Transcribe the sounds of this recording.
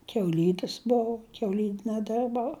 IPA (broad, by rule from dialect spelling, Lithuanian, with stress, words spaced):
kʲɛʊˈlʲiːdʲɪs ˈboːʊ kʲɛʊˈlʲiːnʲɛ ˈdʲɪrbɐʊ